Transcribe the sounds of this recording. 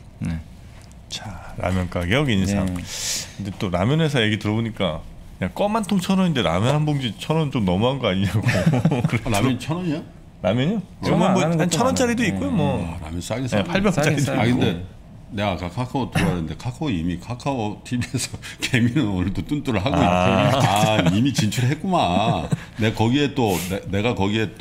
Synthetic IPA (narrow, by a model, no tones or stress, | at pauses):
ne̞ | t͡ɕaɾa̰mjʌnk͈akejʌɡiɲisʰa̰ŋkkɯndet͈oɾamjʌne̞s̬ʰʌje̞ɡitɯɾʌboɲik͈a | ɲak͈ʌmantʰoŋt͡ɕʰʌɾʌindeɾa̰mjʌnɦanboŋd͡ʑit͡ɕʰʌɾʌnt͡ɕomnʌmuɦanɡʌaɲiɲaɡokɯɾenaɾʌnt͡ɕʰʌnʌɲa | ɾamjʌɲo | emʌmʌant͡ɕʰʌnʌnt͡ɕ͈aɾidoik͈ojomwʌaɾa̰mjʌns͈aɡesepʰaɭbjʌt͡ɕ͈aɾidkɯnde̞ | ne̞ɡakakʰakʰawotuanɯnde̞kʰakʰaoimikʰakʰawotʰibiesʰʌkʰe̞minɯnonɯɭt͈ot͈unt͈uɾɯɭɦaɡojiaimit͡ɕint͡ɕʰuɾɯɦet̚k͈uma | nekʌɡie̞t͈onene̞ɡakʌɡie̞t